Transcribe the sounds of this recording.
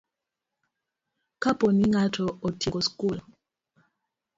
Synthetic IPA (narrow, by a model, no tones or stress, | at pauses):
kapɔniŋatʰɔɔtʰɛkɔskulɔ